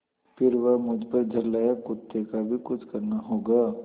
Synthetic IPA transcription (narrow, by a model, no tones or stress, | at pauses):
fɪɾʋɐɦmʊd͡ʒpəɾd͡ʒʱɐɾlaːjakʊt̪ːekabʱikʊt͡ʃʰkɐɾnaɦoːɡaː